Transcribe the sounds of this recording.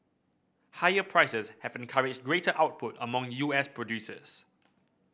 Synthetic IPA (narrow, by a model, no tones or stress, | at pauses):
haɪəpʰɹaɪsəshɛvɛ̃nkʰaɹɪd͡ʒɡɹetəʔaʊt̚pʰʊtəmɔ̃ŋjuːɛspʰɹɔdjuːsə̰s